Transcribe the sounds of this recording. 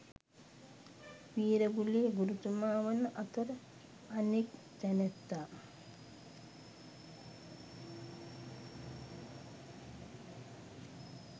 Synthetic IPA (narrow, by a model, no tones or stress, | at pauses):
ʋiːɾəɡuliːɡuɾut̪umaːʋənəʔat̪oɾ | anik | d̪ɛnet̪ːaː